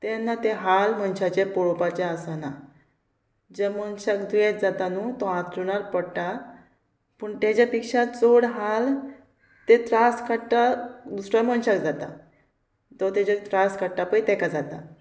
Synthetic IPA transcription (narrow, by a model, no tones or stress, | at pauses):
t̪ɛnːat̪eɦalm̤ənɕat͡ɕepɔɭopat͡ɕeasana | d͡ʑemənɕakd̪ujɛt̪̚d͡zat̪anut̪ɔãt̪ɾunaɾpəɽʈa | pəːɳt̪ad͡ʑapikʂat͡soɽɦal | t̪et̪ɾaskaʈːad̪usɾaməɳɕakd͡zat̪a | t̪ɔt̪ɛd͡ʑat̪ɾaskəʈːapəit̪ɛkad͡zat̪a